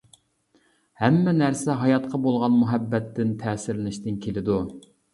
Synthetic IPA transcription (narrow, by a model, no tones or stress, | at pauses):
hɛmːɛnæɾsɛɦɑjɑt̪qʰɑbolˠʁɑnmuɦɛbːɛt̪ːɪnt̪ʰɛːsɪɾlɪnɪʃt̪ɪnkʲʰelɪd̪u